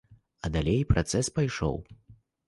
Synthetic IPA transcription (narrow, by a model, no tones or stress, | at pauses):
ɐd̪alʲejpɾat̪sɛspajʂɔ̰w